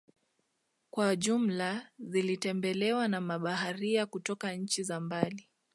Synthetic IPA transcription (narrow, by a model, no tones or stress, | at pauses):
kwaʄum̩lazilitɛmbɛlɛwanamaɓaɦaɾiakutɔkaɲ̩t͡ʃizambali